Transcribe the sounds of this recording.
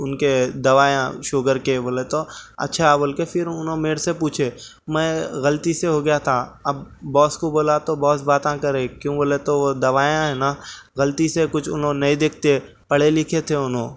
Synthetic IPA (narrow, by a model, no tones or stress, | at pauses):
ʊnked̪ɐʋaːjã̰ʃoːɡəɾkeboːlet̪oɐ̰tːʃʰaboːlkefɪɾʊnɦõmeːɾsepuːt͡ʃʰe | mɛ̃ɣɐlt̪iseɦoɡɐjat̪ʰaɐbːɔːskoboːlat̪obɔːsbaːt̪ãkɐɾẽkjõːboːlet̪oʋod̪ɐʋaːjãɦɛ̃naɣɐlt̪isekʊt͡ʃʰʊ̰nɦõnɐĩd̪eːk̚ʰt̪e | pɐɽ̤elɪkʰet̪ʰeʊnɦõː